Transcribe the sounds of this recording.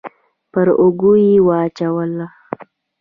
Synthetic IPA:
pəɾʊɡujiwɑt͡ʃawəla

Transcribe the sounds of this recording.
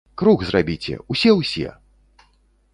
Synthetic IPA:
kɾuɣzrabʲit͡sʲɛ̰usʲɛwsʲɛ̰

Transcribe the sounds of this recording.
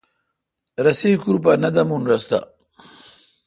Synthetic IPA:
ɾɐsikuɾpanɐd̪ɐmunɾɐst̪a̰

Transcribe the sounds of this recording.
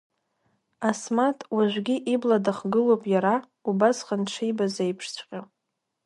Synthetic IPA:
asmatʰʼwaʒʷɡʲiʔibladaχɡɨlopʼjaɾa | ubasχənʈ͡ʂʰijbazejpʰʂt͡ɕʷʰʼqʲʼa

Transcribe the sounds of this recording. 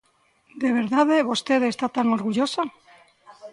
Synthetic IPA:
d̪e̞β̞e̞ɾðaðeβo̞st̪eðest̪at̪aŋoɾɣuʝosa

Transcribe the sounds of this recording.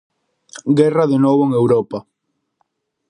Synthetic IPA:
ɡɛraðenɔβoeŋewɾɔpɐ

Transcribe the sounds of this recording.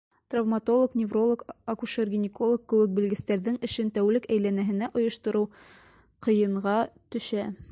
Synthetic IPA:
t̪ravmat̪o̞lˠoknʲɪvro̞lˠokɐkuʃerɡʲinʲɪko̞lˠokːɘ̆wɘk̚bɘ̆lɡɘ̆st̪æɾðɘŋɘ̆ɕɘnt̪æwlɘkæjlænæɦɘ̆næʔŏjŏʃt̪ŏɾɤw | qɤ̆jɤ̆ɴʁɑt̪ɵ̆ʃɕæ

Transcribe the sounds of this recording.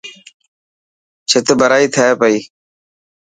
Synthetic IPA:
t͡ʃʰɪt̪bəɾaːiːt̪ʰəeːpəiː

